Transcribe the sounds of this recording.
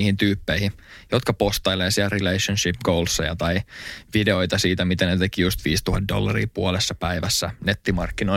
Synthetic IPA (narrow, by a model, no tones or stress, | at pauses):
hint̪yːpːeihijo̞t̪kɑpo̞st̪ɑjleːsiærileiʃːænʃipɡ̥owlsːɑjɑ̰t̪ɑiʋideo̞jt̪ɑsiːt̪æmit̪ænet̪e̞kijust̪ʋiːst̪uhɑt̪̚do̞̰lːɑrḭːpuolesːɑpæjʋæsːæ̰ne̞t̪ːimɑrkːino